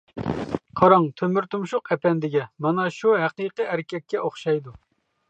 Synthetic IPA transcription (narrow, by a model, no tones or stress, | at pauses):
qʰɑɾɑŋt̪ʰømyɾt̪umʃuqɛpʰɛnd̪ɪɡʲɛmɑnɑʃuɦæqijqɨæɾkʲʰɛk̚ʲːɛʔoχʃɑjd̪u